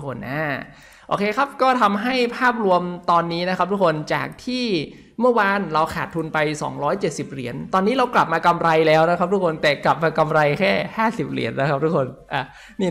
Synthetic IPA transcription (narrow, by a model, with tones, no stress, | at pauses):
kʰo˧nʔaː˧˩ | ʔo̰ː˧kʰeː˧kʰa˦˥p̚kɔː˥˩t̪ʰa˧mɦa˥˩jpʰaː˥˩p̚ɾu˧əmt̪ɔː˧nːiː˦˥na˦˥kʰa˦˥p̚t̪ʰu˦˥kʰo˧nt͡ɕa̰ː˨˩k̚t̪ʰiː˥˩ | mɯ˥˩əwaː˧nɾa˧wkʰaː˨˩t̪ʰːu˧npa˧jsɔ̰ː˩˦ŋɾɔː˦˥jt͡ɕe˨˩t̪̚si˨˩p̚ɾḭ˩˦ənt̪ɔː˧nːiː˦˥ɾa˧wkla˨˩p̚maː˧ka˧mɾa˧jlɛː˦˥wna˦˥kʰa˦˥p̚t̪u˦˥kʰo˧nt̪ɛː˨˩kla˨˩p̚maː˧ka˧mɾa˧jkʰɛː˥˩haː˥˩si˨˩p̚ɾḭ˩˦ənːa˦˥k̚ʰt̪ʰu˦˥kʰo˧nʔa˧˩ | niː˥˩